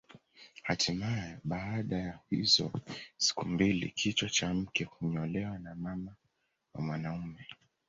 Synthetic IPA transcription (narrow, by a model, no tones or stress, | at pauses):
hatʰimajɛɓaːɗajahḭzɔ̰si̥kumbilḭkʰit͡ʃwat͡ʃam̩kɛhuɲɔlɛwanamama | wa̰mwanaumɛ